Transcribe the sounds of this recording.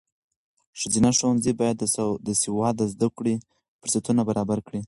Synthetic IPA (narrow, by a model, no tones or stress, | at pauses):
ʃizinaʃowanzibɑjad̪d̪əsɪwɑd̪əzd̪akɽi | pəɾsat̪unabaɾɑbaɾkɽi